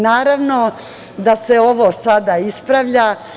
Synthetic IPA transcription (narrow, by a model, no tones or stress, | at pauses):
naːɾaʋno | d̪ase̞o̞ʋosad̪aispɾaʋʎa